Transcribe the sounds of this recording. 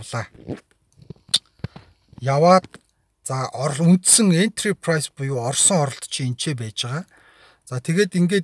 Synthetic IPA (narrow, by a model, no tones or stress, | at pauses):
ɮaː | jawaːt̪̚ | t͡saʔɔɾɮun̥t̪sɘ̆ŋen̥t̪ripʰrajspʊjʊːɔrsɞ̆ŋɔɾɞ̆ɬt̪t͡ɕʰient͡ɕʰeːp̬æːt͡ɕaʁaː | t͡sat̪ʰeɣeːt̪iŋɡeːt